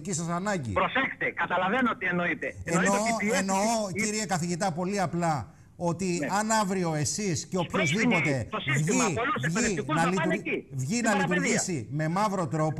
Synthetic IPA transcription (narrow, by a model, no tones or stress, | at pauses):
cisɐsɐnɐɲɟḭpɾosext̪ekɐt̪ɐlɐvenoot̪ieno̞it̪eenoeno̞ociɾie̞kɐθiʝit̪ɐpo̞liɐplɐ | o̞t̪iɐnɐvɾio̞e̞sisceo̞pçozðipo̞t̪e̞vʝiovʝinɐlit̪uivʝinɐlit̪uɾʝisime̞mɐvɾo̞t̪ɾo̞p